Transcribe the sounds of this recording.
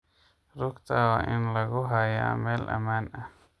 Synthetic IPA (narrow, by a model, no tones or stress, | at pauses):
ɾukt̪awaʔinlaɡuɦajaa̰melʔa̰mana